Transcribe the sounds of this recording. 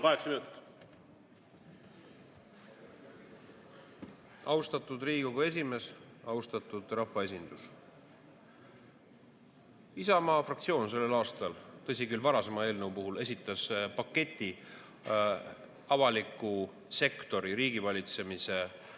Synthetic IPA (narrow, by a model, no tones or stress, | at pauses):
kɑeksminut̪ːi̥t̪ | ɑwst̪ɑt̪ːˑud̪riːɡ̥oɡue̞s̬ʲime̞s | ɑwst̪ɑt̪ːˑud̪̥rɑhvɑe̞s̬ʲind̪̥us | isɑmɑːfrɑkt̪sio̞ːnse̞lːelɑːst̪ɑlt̪ɤs̬ʲikylvɑɾɑse̞mɑe̞ːlnewpuɦule̞sʲit̪ːˑɑspɑkːe̞t̪ʲːˑi | ɑvɑlikːˑu | se̞kt̪o̞ɾiɾiːɡ̥ivɑlʲit̪se̞mise̞